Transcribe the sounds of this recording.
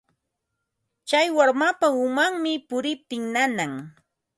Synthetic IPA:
t͡ʃajwaɾmapaʊmaŋmɪpʊɾɪp̚t̪ɪŋnanaŋ

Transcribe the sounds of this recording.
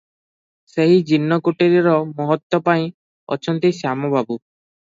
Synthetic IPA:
seɦid͡ʒinːɔkuʈeɾiɾɔmɔɦɔt̪ːɔpaĩ | ɔt͡ʃʰɔnt̪isamɔbʱabu

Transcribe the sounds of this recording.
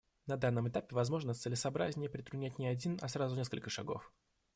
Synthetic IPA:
nɐd̪anːəmɨt̪apʲɪvɐzmo̞ʐnət̪sɨlʲɪsɐːbɾazʲnʲɪjəpɾʲɪt̪ɾʊdnʲætʲnʲɪɐdʲinɐsɾazʊnʲeskə̰lʲkəʂɐɡo̞̰f

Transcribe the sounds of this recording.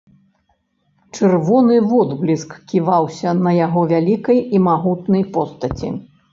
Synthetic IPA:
t͡ʂɨrvɔnɨvɔd̪ɣlʲiskkʲivawsʲɐnɐjaɣɔvʲalʲikɐjimaɣut̪nɐjpɔst̪ɐt͡sʲḭ

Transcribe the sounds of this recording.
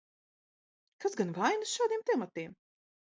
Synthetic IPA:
kasɡanvajnɨsʃaːd̪iɛmt̪ɛmat̪iːm

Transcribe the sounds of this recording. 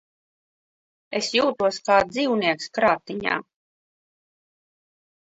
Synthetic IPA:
esjuːt̪uɔskaːd̪iːwniɛkskɾaːt̪ːiɲa̰ː

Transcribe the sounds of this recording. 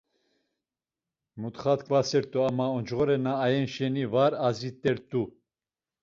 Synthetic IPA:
mut̪χat̪kʼvasɛɾt̪ʼuamaɔnd͡ʒʁɔɾɛnaːjɛnʃɛnivaɾazit̪ʼɛɾt̪ʼu

